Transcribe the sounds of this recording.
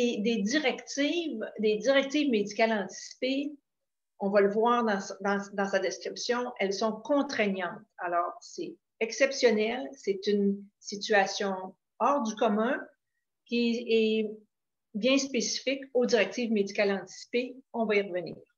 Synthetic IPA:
ed̪ed̪iʁɛkt̪iːvd̪ed̪iʁɛk̚t̪ivmed̪ikʲalɑ̃t̪i̥si̥pe | ɔ̃valəvwaːʁd̪ɑ̃sd̪ɑ̃d̪ɑ̃sad̪ɛskʲʁipsjɔ̃ɛlsɔ̃kɔ̃t̪χɛɲɑ̃ːt̪alɔːʁsɛ | ɛksɛpsjɔnɛlsɛt̪ynsit̪yasjɔ̃ | ɔʁd̪ykɔmɛ̃ | kʲiɛ | bjɛ̃spesi̥fɪkod̪iʁɛk̚t̪iːvmed̪ikʲalɑ̃t̪i̥si̥peɔ̃vaiʁvənḭːʁ

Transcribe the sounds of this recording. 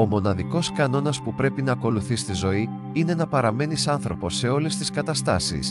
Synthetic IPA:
o̞mo̞nɐðiko̞skɐno̞nɐspupɾe̞pinɐːko̞luθist̪izo̞i | ine̞nɐpɐɾɐme̞nisɐnθɾo̞po̞sːe̞o̞le̞st̪iskɐt̪ɐst̪ɐ̰sḭs

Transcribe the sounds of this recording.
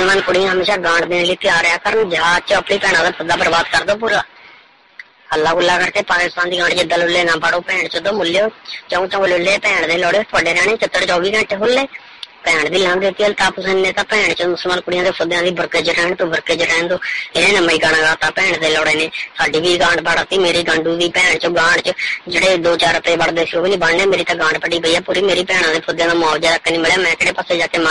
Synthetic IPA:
slmãːnkʊɽɪjãːɦəmeːʃaːɡãːɳd̪eːnliːt̪ɪjaːɾjaːkəɾənd͡ʒɪɦaːd͡ʒ̪̚t͡ʃəəpɳiːpɛːɽ̃ãːd̪aːpʰʊd̪aːbəɾbaːd̪kəɾd̪oːp̬uːɾaː | əlːaːɡʊlːaːkəɾkeːpaːkɪst̪ãːnd̪iːɡãːɳɖt͡ʃɪd̪ːaːlʊlːeːnãːbaɽoːpɛːɳt͡ʃəd̪oːmʊlːjoːt͡ʃəõːt͡ʃãːʊlʊlːeːpɛ̃ːɳd̪eːlɔːɽeːt̪ʰaːɖeːɾɛːnẽːt͡ʃət̪ːəɽt͡ʃɔːʋiːkə̃ɳʈeːɦʊlːeː | pɛːɳd̪iːlãːnd̪eːt̪ːiːəlt̪aːpsə̃nnẽːt̪ãːpɛ̃ːɳt͡ʃəmʊsəlmaːnkʊɽɪjãːd̪eːpʰʊd̪jãːd̪iːbəɾked͡ʒɾɛːɳt̪oːbəɾkeːd͡ʒɾɛːnd̪oːenẽːnəmːiːɡaːɽãːɡaːt̪ãːpɛ̃ːɳd̪eːlɔːɽeːneːsaːɖiːʋiːɡãːɳɖpʰaːɽat̪iːmeːɾiːɡãɳɖuːd̪iːpɛːɳt͡ʃəɡãːɳɖt͡ʃəd͡ʒeːɽeːd̪oːt͡ʃaːɾəpeːbəɽd̪eːsioːbiːnĩːbəɳneːmeːɾiːt̪ãːɡãːɳɖpʰəʈiːpəiːɛːpuːɾiːmeːɾiːpɛ̃ːɳãːd̪eːpʰʊd̪jãːd̪aːmaːʋd͡ʒaːɾəkːeːniːmɪljaːmɛ̃ːkɪɽeːpəseːd͡ʒaːkeːmã

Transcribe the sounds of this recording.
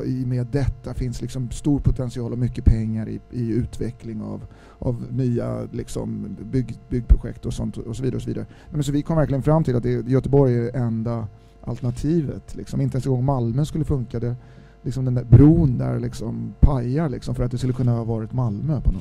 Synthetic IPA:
ɪmeːd̪ːɛt̪ːafɪnslɪksɔmst̪uːɾpʰʊt̪ʰɛnsɪɑːlɔmʏkːəpʰɛŋːaɾɪ̰ɪʉ̟ːt̪vɛklɪŋa̰v | ʔa̰vnyːa̰lɪksɔ̰mbʏɡbʏɡːpʰɾʊɧɛ̰kt̪ɔsɔnt̪ɔsɔviːd̪aɾɔsɔviːd̪aɾənɛmɛns̬ɔvɪkʰɔmːvæɾklɪɡənfɾamːt̪ʰɪlat̪̚d̪ɛjœt̪əbɔɾjæɛnd̪a | ʔa̰lt̪ɛnat̪ʰiːvə̰t̪ʰlɪ̰ksɔmɪnt̪əɛnsɛɡɔŋːmalmøːskɵlːəfɵŋkad̪ɛ | lɪksɔmd̪ɛnd̪æɾbɾuːnd̪æ̰ɾlɪksɔmpʰajaɭɪksɔmfœɾat̪̚d̪ɛskɵləkʰɵnːahɑːvɑːɾɪt̪malmøpʰɔnɔ

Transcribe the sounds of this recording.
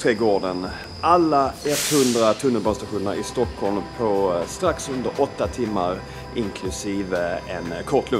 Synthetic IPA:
t̪ʰɾeːɡoːɖən | ʔalːaɛt̪ːhɵnd̪ɾat̪ʰɵnːəlbɔːnst̪aɧuːnəɾɪst̪ɔkʰːɔlmpʰɔst̪ɾaksɵnd̪əɾʔɔt̪ːat̪ʰɪmːaɾ | ɪŋkʰlɵsiːvəɛnkʰɔʈʰːlɵ

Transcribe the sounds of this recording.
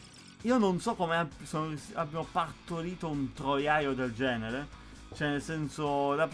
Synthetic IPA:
iːononsɔkːomeasosabːjamopart̪oɾiːt̪ount̪ɾojajod̪eld͡ʒɛːneɾe | t͡ʃɛnelsɛnsod̪ap

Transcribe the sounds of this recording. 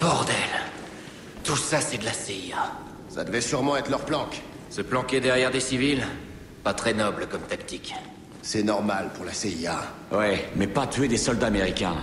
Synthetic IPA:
b̥ɔʁd̪ɛl | t̪usasɛd̪əlaseia | sa̰d̪əvɛsyʁmɑ̃ɛt̪lœʁplɑ̃k | səplɑ̃kʲed̪ɛʁjɛʁd̪esivil | pat̪χɛnɔbləkɔmt̪ak̚t̪ik | sɛnɔʁmalpuʁlaseia | wɛmɛpat̪ɥed̪esɔld̪aːmeʁikʲɛ̰̃

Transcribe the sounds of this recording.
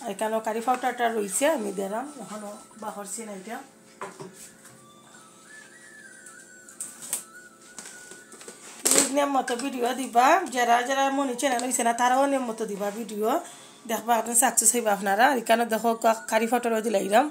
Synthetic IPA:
aɾikanɔkaɾipʰawtaɾtaɾojsɛːmid̪ɛɾamɛkɔnɔbakɔɾsinajta | inɛmːɔt̪ɔbidijɔd̪ibad͡ʒɛɾazɛɾamɔnit͡ʃɛnanɔisɛnat̪aɾawɔnɛmːɔt̪ɔd̪ibabidiɔ | d̪ɛkʰbaktɔnsaksusajbaːpʰnaɾaːɾikanɔdɛxɔkakaɾipʰawtɔɾɔdilajɾam

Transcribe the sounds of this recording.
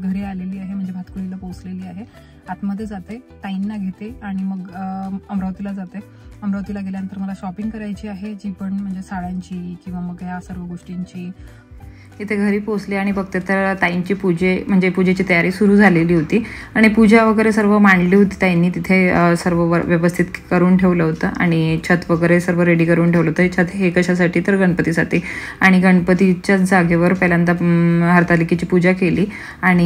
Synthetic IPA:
ɡʱəɾiːaleliːaɦem̤əɳd͡zebʱat̪kuɽilaposleliːaɦe | at̪məd̪ʱːjed͡zat̪et̪ainːaɡʱet̪eaɽ̃iməɡəmɾəʋt̪ilad͡zat̪e | əmɾəʋt̪iːlaɡʱeljanənt̪əɾməlaɕɔpiŋɡkəɾajt͡ɕiːaɦed͡ʑipəɳm̤əɳd͡zesaɭaɲt͡ɕiːkĩw̃ʋaməɡjasəɾʋəɡoʂʈiɲt͡ɕiː | hit̪ʰeɡʱəɾiːposliaɽ̃ibəɡ̚t̪et̪əɾt̪aint͡ɕiːpud͡ʑʱem̤əɳd͡zepud͡ʑet͡ɕiːt̪əjaɾiːsuɾuːd͡zʱaleliːɦot̪iːaɽ̃ipud͡ʑʱaʋəɡəɾesəɾʋəmaɳliːɦot̪iːt̪jajnːiːt̪it̪ʰesəɾʋəʋəʋjəʋəst̪ʰit̪kəɾuːnʈʰeʋləɦot̪əʔa̰ɽ̃it͡ɕʰət̪ʋəɡəɾesəɾʋəɾeɽiːkəɾuːnʈʰeʋləɦot̪ət͡ɕʰət̪ɦekəɕasaʈʰiːt̪əɾɡəɳpət̪iːsat̪iː | aɽ̃iɡəɳpət̪it͡ɕjad͡zaɡʱeʋəɾpəɦljant̪aɦəɾt̪aliket͡ɕiːpud͡ʑakeliː | aɽ̃i

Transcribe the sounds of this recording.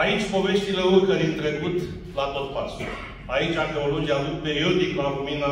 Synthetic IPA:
ait͡ʃʲpo̞ve̞ʃt̪ileurkəɾint̪ɾe̞kut̪ | lat̪o̞t̪̚pasu | ait͡ʃʲaxeolod͡ʒialut̪̚pejold̪iklaluminə

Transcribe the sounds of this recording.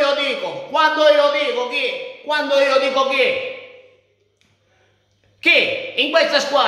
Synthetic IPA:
od̪iːkokwand̪oiːoðiːkokikwand̪oiːod̪iːkoki | kiiŋkwɛt̪sːaskwaː

